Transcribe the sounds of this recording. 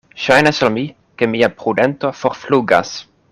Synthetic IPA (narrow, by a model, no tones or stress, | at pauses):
ʃajnasalmi | ke̞miapɾude̞nt̪o̞fo̞ɾfluɡa̰s